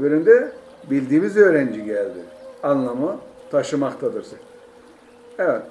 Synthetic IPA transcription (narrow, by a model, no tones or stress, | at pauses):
beɾind̪ɛ | bilʲd̪iːmizø̞ːɾɛnd͡ʒiɟælʲd̪ɪanlˠamɯt̪ʰaʃɯmakt̪ʰad̪ɯɾs | ɛvɛt̪